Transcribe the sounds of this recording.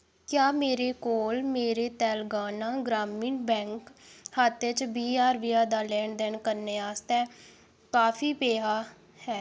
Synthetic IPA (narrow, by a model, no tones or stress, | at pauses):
kjaːmeːɾeːkoːlmeːɾeːt̪ɛːlɡaːnãːɡɾaːmiːɳbɛ̃ːŋkhət̪ɪt͡ʃbiːaːɾʋiːaːd̪aːlɛːɳd̪ɛːɳkəɾneːaːst̪ɛː | kaːpʰiːpeːɦaː | hɛː